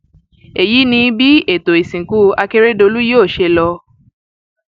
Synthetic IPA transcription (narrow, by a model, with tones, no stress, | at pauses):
e˨ji˨˦nĩ˧˦bi˦e˦˨to˨i˨sĩ˨ku˨˦a˧ke˦ɾe˦do˧lu˦joː˦˨ʃe˧lɔ˧